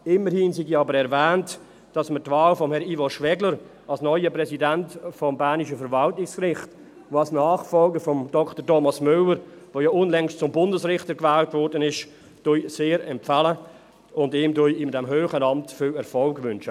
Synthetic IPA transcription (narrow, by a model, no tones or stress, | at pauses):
ɪməɾhiːnsiɡiɑbəɾɛɾvɛːnt | d̥ɑsmətvaːlfɔmhɛɾivɔʃʋɛɡləɾ | ɑlsnɔʏəpʁɛsidɛntfɔmbæːniʃəfəɾvɑltɪkskrɪχt | ʋoɑlsnaːχfɔlɡəɾfɔmd̥ɔktətɔmɑsmʏləɾvoːjɔʊnlɛŋstt͡sʊmbʊndəsrɪχtəɾkvɛːltvɔɾdənɪʃ | d̥ujseːɾɛmpfalə | ʊndiːmdʊjɪmdɛmɦøːχənɑmtfɪlɛɾfɔlɡvʏnʃə